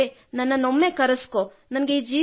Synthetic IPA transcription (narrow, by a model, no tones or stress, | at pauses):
enɐnːɐnomːekɐɾɐskoː | nɐnɐɡeid͡ʒiː